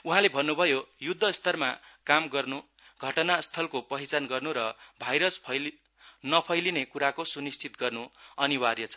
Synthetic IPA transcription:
uɦãlebʱʌnːubʱʌjojud̪ʱːʌst̪ʰʌrmakamɡʌrnu | ɡʱʌʈʌnast̪ʰʌlkopʌɦit͡sanɡʌrnuɾʌbʱajɾʌspʰʌjl | nʌpʰʌjlinekuɾakosunist͡sʰit̪ɡʌrnuʌniwaɾjʌt͡sʰʌ̥

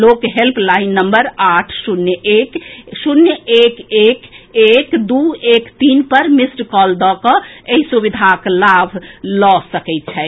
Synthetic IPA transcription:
lokɦelpʰlaɪinːəmbəɾaʈʰsunjəʔeksunjəekekekd̪uekt̪iːnpəɾmisʈkɔld̪ɔkɔeɦisubid̪ʱaklabʱlɔsəkɛɪt̪̚t͡ʃʰɛ

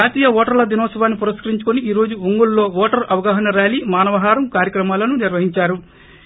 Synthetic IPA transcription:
aːt̪iːjɐʋɔːʈɐɾlɐd̪inɔːsɐʋaːnːipuɾɐskɐɾiɲt͡ʃu̥kuniiːɾo̞ːd͡ʒuuŋɡullo̞ːʋɔːʈɐɾɐʋɐɡaːɦɐnɐɾaːliːmaːnɐʋɐɦaːɾɐmkaːɾjɐkɾɐmaːlɐnuniɾʋɐɦiɲt͡ʃaːɾu

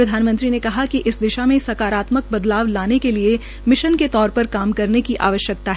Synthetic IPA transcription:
pɾɐd̪ʱaːnmə̃nt̪ɾinekɐɦakiʔɪsd̪ɪʃamẽsɐkaːɾaːt̪mək̚bɐd̪laːʋlaːnekelie | mɪʃənket̪ɔːɾpɐɾkaːmkɐɾnekiʔa̰ːʋəʃjək̚t̪aɦɛ

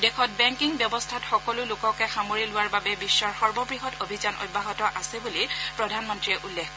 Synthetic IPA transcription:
dɛkʰɔt̚bɛŋkiŋbjɔbɔstʰatxɔkɔlʊlʊkɔkɛxamoɹilʊwaɹbabɛbisːɔɹxɔɹbɔbɹiɦɔtobʱizanʔɔ̰t̚bʱaɦɔtɔʔasɛbulipɹɔdʱanmɔntɹiɛʔulːɛkʰ

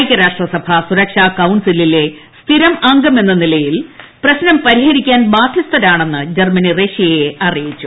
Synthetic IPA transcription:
kʲːɐɾaːʂʈrɐsɐbʱɐsuɾɐkʂaːkɐwɳsilile̞st̪ʰiɾɐmɐŋɡɐme̞nːɐnilɐjilprɐɕnɐmpɐɾiɦɐɾikʲːaːnbaːd̪ʰʱjɐst̪ʰɐɾaːɳe̞nːɨd͡ʑermɐnireːʂijɐjeʔɐrijit͡ɕːu

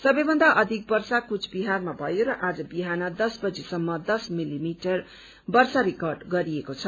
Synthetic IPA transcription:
sʌbʌjbʱʌnd̪aʔʌd̪ʱik̚bʌrsakut͡sʰbiɦarmabʱʌjoɾʌʔad͡zʌbiɦanʌd̪ʌsbʌd͡zesʌmːʌd̪ʌsmilimiʈʌr | bʌrsaɾikʌrɖɡʌɾiekot͡sʰʌ

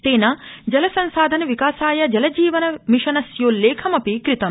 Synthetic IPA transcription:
t̪eːnɐd͡ʒɐlɐsɐnsaːd̪ʱɐnɐʋikaːsaːjɐd͡ʒɐlɐd͡ʒiːʋɐnɐmiʂɐnɐsjoːlːeːkʰɐmɐpikɾit̪ɐm

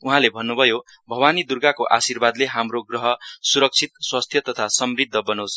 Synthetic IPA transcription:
uɦãlebʱʌnːubʱʌjo | bʱʌwanid̪urɡakoʔasirbad̪leɦamroɡrʌɦʌsuɾʌk̚t͡sʰit̪swast̪ʰjʌt̪ʌt̪ʰasʌmrid̪ʱːʌbʌnos

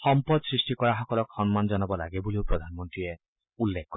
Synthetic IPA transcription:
xɔmpɔd̪sɾisʈikɔɹaɦɔkɔlɔkxɔnmand͡ʒɔnɔbɔla̰ɡebuliwpɾɔd̪ʱanmɔnt̪ɾie | ulːekʰːkɔ

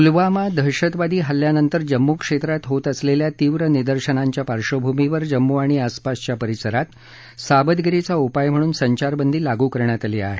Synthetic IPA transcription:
ulʋamad̪ʱəɾɕət̪ʋad̪iːɦəljanənt̪əɾd͡ʑəmːukʂet̪ɾat̪ɦot̪əsleljat̪iːʋɾənid̪əɾɕənaɲt͡ɕjapaɾʂobʱumiʋəɾd͡ʑəmːuaɽ̃iaspast͡ɕjapəɾisəɾat̪ | sabəd̪ɡɾet͡saupajm̤əɽ̃uːnsəɲt͡ɕaɾbənd̪ʱiːlaɡuːkəɾɳjat̪alia̰ɦe

